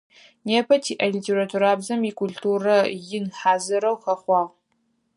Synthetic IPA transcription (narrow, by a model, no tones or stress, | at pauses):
neːpʰɐtʰiːʔɐlitʰeɾatʰuɾaːbzɐmiːkʰultʰuːrɐjɪnħaːzɨɾɐwxɐχʷɑːʁ